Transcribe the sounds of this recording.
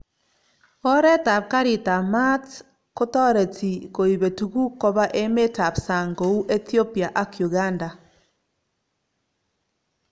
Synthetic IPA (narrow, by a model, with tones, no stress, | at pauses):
o˦ɾe˦ta˨βka˦ɾi˨ta˨ma˦t | ko˦tɔ˦ɾe˨t͡siko˨iβe˨tuɣu˦ko˦βa˦ʔe˦me˦ta˨βsa˨ŋɡo˨u˦ʔe˦θio˦pi˨a˨ʔa˦kju˨ɣa˦nda˨